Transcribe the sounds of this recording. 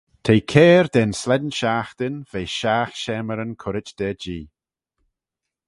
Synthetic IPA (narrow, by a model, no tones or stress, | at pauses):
t̪ʰejkʰeːɹd̪ɛnslɛd̪nʃaːxt̪ɪnv̥eːʃaːxʃɛːməɾənkʰʊɾɪt͡ʃd̪̥ɛːd͡ʒiː